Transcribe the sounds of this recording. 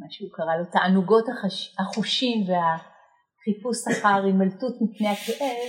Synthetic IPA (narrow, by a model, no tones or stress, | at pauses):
maʃeukaʁalo̞taʔanuɡo̞thahaχuʃimve̞a | χipusaχaʁimaltutmipnehakeʔev